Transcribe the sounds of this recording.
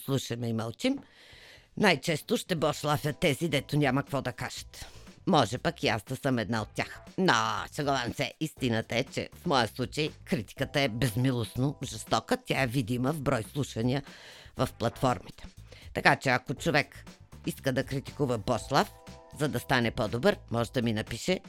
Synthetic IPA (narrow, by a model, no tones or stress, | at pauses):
slˠuʃɐmɛimɐlˠt͡ʃim | najt͡ʃɛst̪oʃt̪ɛbɔʃlˠafjət̪ːɛzid̪ɛt̪onʲamɐkvɔd̪ɐkaʒɐ̥t̪mɔʒɛpakiazd̪ɐsəmɛd̪naot̪̚ːʲjaxnaʃɐɡolansɛist̪inət̪əɛt͡ʃɛ̰fmɔjəslˠut͡ʃəjkɾit̪i̥kət̪əɛbɛzmilˠosnovʒɛst̪ɔkət̪ʲaɛvid̪iməvbɾɔjslˠuʃvɐniəvɐfplˠɐt̪fɔɾmit̪ɛ̥t̪ɐkat͡ʃɛɐkot͡ʃovɛk | iskəd̪ɐkɾit̪i̥kuvɐbɔʃlˠafzɐd̪ɐst̪anɛpɔd̪obəɾmɔʒɛd̪ɐminɐpiʃɛ